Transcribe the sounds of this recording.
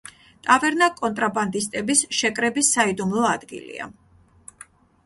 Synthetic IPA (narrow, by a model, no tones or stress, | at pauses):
t̪ʼavɛɾnakʼɔnt̪ʼɾaband̪ist̪ʼɛbisʃɛkʼɾɛbisːaid̪umlˠɔad̪ɡḭlḭa̰